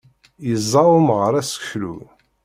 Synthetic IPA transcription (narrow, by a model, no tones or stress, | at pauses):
jəzˤːɑwʊmʁəɾˤæsə̥kflṵ